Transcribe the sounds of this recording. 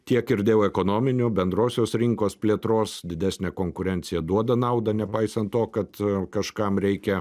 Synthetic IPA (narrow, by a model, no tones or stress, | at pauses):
t̪ʲiɛkɪɾd̪ʲeːjoɛkoːnoːmʲɪnʲʊbʲɛnd̪ɾoːsʲoːsɾʲɪŋkoːspʲlʲiɛt̪ɾoːsd̪ʲɪd̪ʲæːsʲnʲɛkoːŋkʊɾʲɛnʲt̪sʲɪjɛd̪uɔd̪ɐnɐʊd̪ɐnʲɛpɐɪsɐnt̪t̪ːoːkɐt̪kɐʃkɐmɾʲɛɪkʲɛ